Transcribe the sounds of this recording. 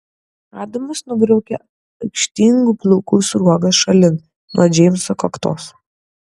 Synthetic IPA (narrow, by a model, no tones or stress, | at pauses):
ɑːd̪omɐsnʊbɾɐʊkʲɛ | ɐʊkʃʲt̪ʲiŋɡuplˠʊkuːsʊɾuɔɡɐsʃɐlʲɪn | noɔd͡ʒʲɛːmʲsɐkɐkt̪o̰ːs